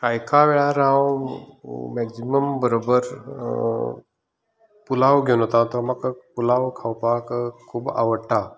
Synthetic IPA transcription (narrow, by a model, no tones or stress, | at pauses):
kajkʰaʋeɭaɾãw | mɛksiməmbəɾobəɾ | pulaʋɡʱeunɦət̪at̪ɔɾmakpulaʋkʰawpakkʰːuːba̰ʋəɽʈa